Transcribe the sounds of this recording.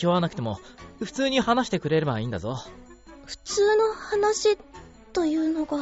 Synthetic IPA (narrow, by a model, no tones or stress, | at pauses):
ioβanakɯ̟̥t̪e̞mo̞ | ɸɯ̟t͡sɨːɲ̟ihanaɕi̥t̪e̞kɯ̟ɾe̞ɾebaĩːnd̪a̰zo | ɸɯ̟̥t͡sɨːno̞hanaɕi | t̪o̞jɯ̟ːno̞ɡa